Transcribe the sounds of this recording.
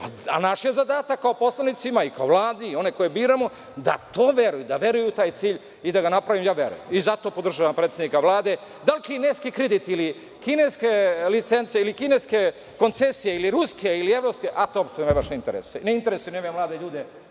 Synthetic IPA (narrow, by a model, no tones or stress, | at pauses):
aa̰naʃjezad̪aːt̪akːaopo̞slˠanit̪simaikaoʋlaːd̪iio̞neko̞jebiːɾamo | d̪a̰t̪oːʋje̞ɾujud̪aʋje̞ɾujut̪aːjt̪siːʎ | id̪aɡanapɾaʋimjaːʋjḛɾṵjemizat̪o̞pod̪r̩ʒaːʋampɾeːt̪sed̪nikaʋlˠaːd̪e̞ | d̪alkineːskikɾed̪it̪ili | kineskelit̪sent̪sieilikineske̞ | ko̞nt̪sesijeiliɾuskeilieʋɾopske̞ʔat̪oopsomaʋaʃeint̪eɾḛsu̥jeneint̪e̞ɾesujenemijemlaːd̪e̞ʎuːd̪e